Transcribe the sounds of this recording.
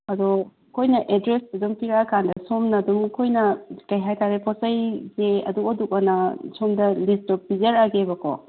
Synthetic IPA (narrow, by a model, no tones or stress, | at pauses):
ɐdɔ | kʰojnɐʔedɾesɐdumpiɾakʰandɐsomnɐdumkʰojnɐkɐjɦajtʰaɾepʰɔsɐjzeɐ̰duodukanɐsomdɐlistɔp̚izɐɾaɡebɐkɔ̰